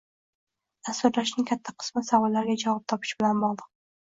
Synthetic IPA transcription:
ast̪ʊɾlaʃnɪŋʲkʲʰat̪ʰːaqʰɨ̥smɪsavɒlːaɾɡʲad͡ʒavɒp̚t̪ʰɒpʰɪ̥ʃbɪlanbɒʁˠd̪ɨq̚

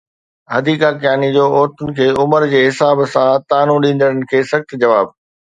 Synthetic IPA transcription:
ɦɐd̪iːkakjaːnid͡ʑoːʔoːɾt̪ʊnɪ̆kʰeːʊməɾd͡ʑeːɦɪsaːbsãt̪aːnũɗĩːnd̪əɽənɪ̆kʰeːsɐxt̪d͡ʑɐʋaːb̚

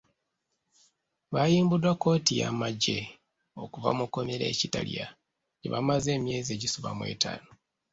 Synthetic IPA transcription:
βajiːmbudwako̞ːtijamaɟːe̞ | o̞kuva̰muko̞meɾe̞̰ːcitalija | ɟeβa̰maze̞ːmje̞ːzie̞ɟisuβa̰mwe̞̰ːtʰa̰ːno

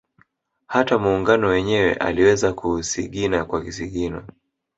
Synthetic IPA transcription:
hatamuːŋɡanɔwɛɲɛwɛ̰ʔa̰liwɛzakusiɠinakwakisiɠina̰

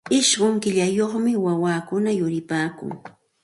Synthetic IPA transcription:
ɪʃɢoŋkɪʎajoχmɪwawaːkʊnajʊɾɪpaːkʊ̰ŋ

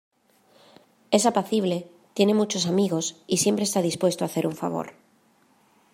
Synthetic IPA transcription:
e̞sapaθiβ̞le̞ | t̪je̞ne̞mut͡ʃo̞samiɣosisje̞mpɾest̪aðispwe̞st̪oaθe̞ɾuɱfa̰β̞o̰ɾ

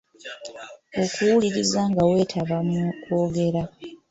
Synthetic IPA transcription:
o̞kuwuliɾizaŋɡawe̞ːtʰaβamukoːɡe̞ɾa

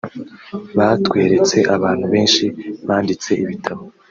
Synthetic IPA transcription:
βatkwe̞ːɾe̞t͡se̞ʔaβaːn̥huβe̞ːnʃiβaːndit͡se̞iβitʰaβo

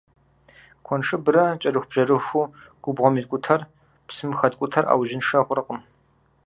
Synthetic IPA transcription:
kʷʰɔnʂɨbɨɾɐt͡ʃʼɐrɨxʷbʒɐrɨxʷuːɡ̥ʷʊbʁʷɔmiːtkʷʼʊtʰɐr | psɨmxɐtkʷʼʊtʰɐrʔa̰ːwʒɪnʂɐχʷʊrɐqəm

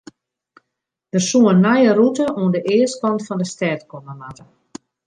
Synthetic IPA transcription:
ʋərsuənːajərutəʔuəndəʔɪːəstkɔntfɔndəstɛːtkɔməmatə

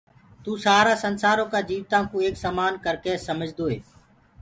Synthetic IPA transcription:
t̪uːsaːɾaːsənsaːɾõːkaːd͡ʒiːʋt̪ãːkũːeːksaːmaːnkəɾkeːsəməd͡ʒʱd̪oːɦeː

